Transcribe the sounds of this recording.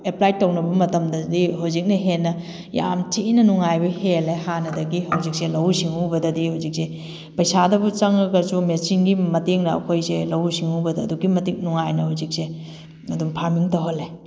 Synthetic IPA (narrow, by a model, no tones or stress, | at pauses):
eplajtownɐbɐmɐtɐmdɐdiɦawzik̚nɐɦenːɐ | ja̰mtinɐnuŋajbɐhelehanɐdɐɡiɦɐwzik̚selɐwsiŋubɐdɐdihawzik̚se | pɐjsadɐbut͡ʃɐŋɐɡɐɾsumesiŋɡimɐteŋnɐɐ̰kʰojselɐwsiŋubɐdɐduɡimɐtik̚nuŋajnɐhawzik̚se | ɐdumpʰamiŋtɐɦolːe